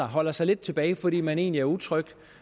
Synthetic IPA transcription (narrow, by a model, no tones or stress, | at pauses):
ɐɦɒ̽l̰ɐsɑ̈ɪle̝d̥̚t͡sʰe̝b̥ɛːɪfɒ̽d̥ḭːmæne̝ːnliæɐut͡sʰʁœɡ̥